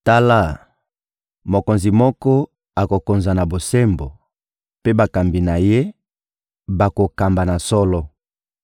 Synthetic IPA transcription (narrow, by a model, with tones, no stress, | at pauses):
ta˦la˦˨ | mo˨ko˨nzi˨mɔ˦kɔ˦ | a˨ko˨ko˨nza˨na˨bo˨se˦mbo˨ | pe˦ba˨ka˨mbi˨na˨je˦ | ba˨ko˨ka˨mba˨na˨sɔ˦lɔ˦